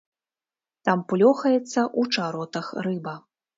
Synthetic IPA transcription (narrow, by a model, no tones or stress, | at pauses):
t̪amplʲɔxɐjɛt̪sːɐʔut͡ʂaɾɔt̪ɐxrɨbɐ